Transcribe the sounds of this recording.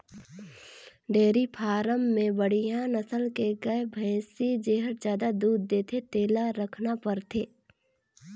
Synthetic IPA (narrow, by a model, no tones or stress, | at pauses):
ɖeːɾipʰaːɾəmːẽbəɽ̤ijãnɐsəlkeɡɐebʱɛ̃ːsid͡ʒeːɦəɾd͡ʒjaːd̪ad̪uːd̪ːeːt̪ʰet̪eːlaɾəkʰnapəɾt̪ʰeː